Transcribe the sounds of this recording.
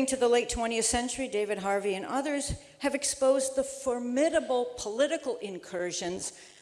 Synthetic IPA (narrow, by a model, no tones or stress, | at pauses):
ɪ̃ŋtʰɨðəleɪtʰw̥ɛ̃ɾ̃iɨθsɛ̃nt͡ʃə˞ideɪvɨd̚ɦɑɹviɨ̃nʌðə˞z̥ | ɨvɨkspoʊzðəfə˞mɪɾəbl̩ˠpʰəlɪɾɨkl̩ˠɪ̃nkʰɜ˞ʒɨ̃nz̥